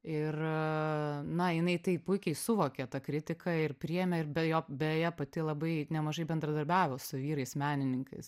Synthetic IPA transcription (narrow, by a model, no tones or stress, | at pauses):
ɪr | nɐjɪnɐɪt̪ɐɪpʊɪkʲɛɪsʊʋoːkʲɛt̪ɐkɾʲɪt̪ʲɪkʰɐɪrpʲɾʲɪjɛmʲɛɪrbʲɛjoːbʲejɛpɐt̪ʲɪlˠɐbɐɪnʲɛmɐʒɐɪbʲɛnd̪ɾɐd̪ɐɾʲbʲæːʋʲoːsʊʋʲiːɾɐɪsmʲæːnʲɪnʲɪŋkɐɪs